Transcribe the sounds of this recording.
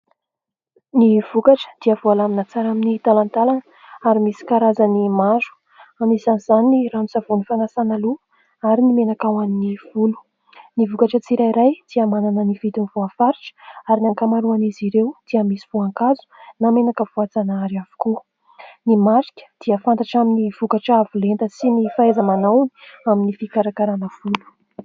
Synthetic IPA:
niv̥ukaʈ͡ʂə̥d̪̥iəvualaminat͡saɾaminit̪alant̪alan | aɾimisi̥kaɾazanimazu̥ | amisanizaniniramisavunifanasanalu | aɾinimenakawaniniv̥ulu̥ | nivukaʈ͡ʂət͡siɾaiɾajd̪̥iamananənifit̪invuafaɾiʈ͡ʂə̥aɾinaŋkamaɾuaniziɾewd̪̥iəmisi̥v̥uaŋkazunamenakəvuat͡sanaɾiav̥u̥ku | nimaɾikʲə̥d̪̥iəfant̪aʈ͡ʂaminiv̥ukaʈ͡ʂavulent̪əsinifaezamanawni̥aminifikaɾakaɾanəv̥ulu̥

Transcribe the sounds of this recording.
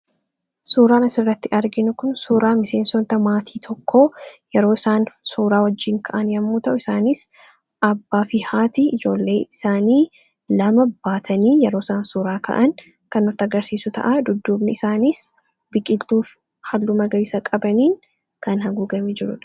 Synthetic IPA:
suːɾaːnɐsɪrːɐt̪ːɪʔɐɾɡɪnʊkʊnsuːɾaːmɪse̞ːnsɔnt̪ɐmaːt̪ʰiːt̪ʰɔkʰːoːjɛɾo̞ːɪsaːnsuːɾaːwɐd͡ʒːiːŋkʰɐʔɐnjɐmːuːt̪ɐʔʊɪsaːniːs | ʔɐbːaːfɪhaːt̪iːʔɪd͡ʒo̞ːlːe̞ːɪsaːniː | lɐmɐbaːt̪ʰɐniːjɛɾo̞ːɪsaːnsuːɾaːkɐ̰ʔɐn | kɐnːɔt̪ːɐɡɐɾsiːsʊt̪ɐ̰ʔad̪ʊd̪ːuːbnɪɪsaːniːs | bɪkʼɪlt̪uːf | hɐlːumɐɡɐɾiːsɐkʼɐbɐniːŋ | kɐnhɐɡuːɡɐmeːd͡ʒɪɾʊᶑɐ̥

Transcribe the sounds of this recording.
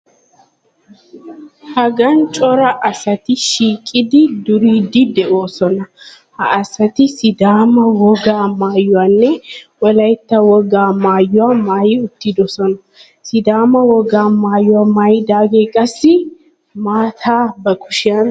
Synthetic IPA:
hɐɡɐnt͡ʃʼɔɾɐʔɐsɐt̪ɪʃiːkʼːɪd̪ɪd̪ʊɾiːd̪ɪd̪ɛo̞ːsɔnɐ | hɐʔːsɐt̪ɪsɪd̪aːmɐwɔɡaːmaːjːʊwaːnːɛwɔlɐjt̪ːɐwɔɡaːmaːjːʊwamaːjɪʊt̪ːɪd̪ɔsɔnɐ | sɪd̪aːmɐwɔɡaːmaːjːʊwaːmaːjɪd̪aːɡeːkʼɐsːɪ | maːt̪ʰaːbɐkʊʃɪjan

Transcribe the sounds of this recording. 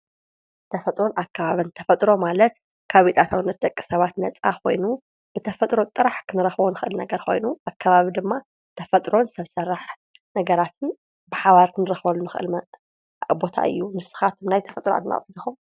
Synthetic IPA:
t̪ʰɐfɐt̪ʼɾo̞nakʰːaβaβɨnt̪ʰɐfɐt̪ʼɾo̞malɐt̪ | kʰaβit̪ʼat̪ʰawnːɐt̪̚d̪ɐkʼːi̥sɐβat̪nɐt͡sʼa̰kʰo̞̰jnu | b̥ɨt̪ʰɐfɐt̪ʼɾo̞t̪ʼɨɾaħkʰɨnɨɾɐxβonɨxɨʔɨlnɐɡɐɾkʰo̞̰jnuʔakʰːaβaβid̪ɨmːa | t̪ʰɐfɐt̪ʼɾo̞nsɐβsɐraħ | nɐɡɐɾat̪ʰɨn | bɨħaβaɾkʰɨnɨɾɐxβɐlunɨxɨʔɨ̰l | bo̞t̪ʰa̰ʔɨ̰jːunɨsːɨ̥xat̪ʰmnajt̪ʰɐ̥fɐt̪ʼɾoa̰t̪na̰χʼfilixum

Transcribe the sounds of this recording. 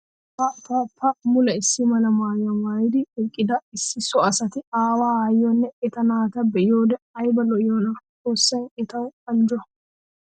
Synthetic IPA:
pɐpɐpɐmʊlɐɪsːɪmɐlɐmaːjɐmaːjɪd̪ɪɛkʼːɪd̪ɐɪsːɪsɔɐsɐt̪ɪaːwaːajːɔnːɛɛt̪ɐnaːt̪ɐbɛjoːd̪ɛɐjbɐlɔjoːnɐt͡sʼoːsːɐjɛt̪ɐwɐnd͡ʒʊɐ

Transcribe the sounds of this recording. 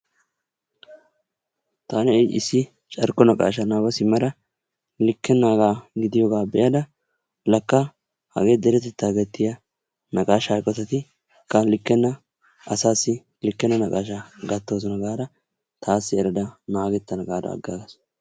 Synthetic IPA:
t̪aːnɛɛjɪsːɪ | t͡ʃʼɐɾkɔnɐkʼa̰ːʃɐnaːbɐsɪmɐɾɐ | lɪkːɛnːaːɡaːɡɪd̪ɪjoɡaːbɛjɐd̪ɐ | lɐkːɐ | hɐ̰ɡeːd̪ɛɾɛt̪ɛt̪ːaːɡɛt̪ːɪjɐ | nɐkʼaːʃaːkʼːɔt̪ɐt̪ɪ | kːɐlɪkːɛnːɐ | ɐsaːsːɪ | lɪkːɛnːɐnɐkʼaːʃaɡɐt̪ːoːs̬ɔnɐɡaːɾɐ | t̪ʰaːsːɪɛɾɐd̪ɐnaːɡɛt̪ːɐnɐɡaːd̪ɐ̰ːɡːaːɡɐs

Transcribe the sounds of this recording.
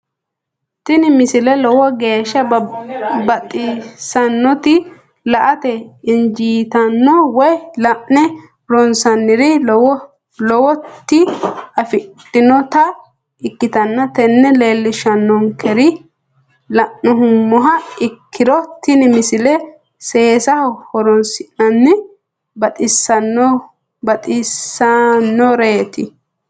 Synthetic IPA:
t̪ɪnɪmɪsɪlɛlɔwɔɡe̞ːʃːɐ | bɐt̪ʼːɪsɐnːɔt̪ɪ | lɐʔɐt̪ɛɪnd͡ʒiːt̪ɐnːɔwɔjlɐʔnɛ | ɾɔnsɐnːɪɾɪ | lɔwɔt̪ːɪɐfɪt̪ːɪnɔt̪ɐ | ɪkːɪt̪ɐnːɐt̪ɛnːɛle̞ːlːɪʃɐnːɔŋkʰɛɾɪ | lɐʔnɔɦʊmːɔɦɐɪkʰːɪɾɔt̪ːɪnɪmɪsɪlɛ | seːsɐhhɔɾɔnsɪʔɐnːɪ | bɐt̪ʼɪsːɐnːɔ | bɐt̪ʼɪsːɐnːɔɾeːt̪ɪ

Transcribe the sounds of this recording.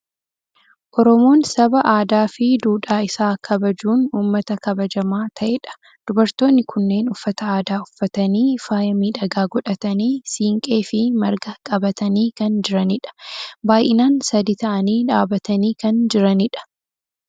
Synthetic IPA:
ʔɔɾɔmo̞ːnsɐbɐʔaːd̪aːfɪd̪uːᶑaːɪsaːkʰɐbɐd͡ʒuːnuːmːɐt̪ɐkɐbɐd͡ʒɐmaːt̪ʰɐʔeᶑɐ̥ | d̪̥ʊbɐɾt̪o̞ːnːɪkʰʊnːe̞ːnʊfːɐt̪ɐaːd̪aːʊfːɐt̪ɐniːfaːjɐmiːᶑɐɡaːɡɔᶑɐt̪ɐniːsiːŋkʼe̞ːfɪmɐɾɡɐkʼɐbɐt̪ɐniːkɐnd͡ʒɪɾɐnɪᶑɐ̥baːjʔɪnaːnsɐd̪it̪ɐʔɐniːᶑaːbɐt̪ɐniːkɐnd͡ʒɪɾɐnɪᶑɐ̥

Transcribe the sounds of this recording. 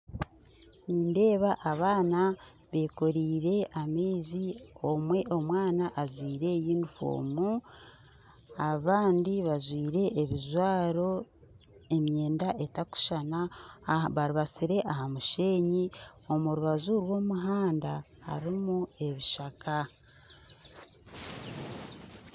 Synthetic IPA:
niːnde̞ːβaʔːβaːna | βe̞ːkoɾiːɾe̞ameːzio̞mwe̞ʔo̞mwaːnaʔːzwiːɾe̞jiːndufo̰ːmu | aβaːndiβazwiːɾe̞ʔːβizwaːɾo̞ | e̞mje̞ːndaʔe̞taku̥ʃana | βaɾiβasiɾe̞ʔahamuʃe̞ːɲio̞muɾuβazuɾwo̞ːmuɦaːnda | ha̰ɾimue̞βiʃaka

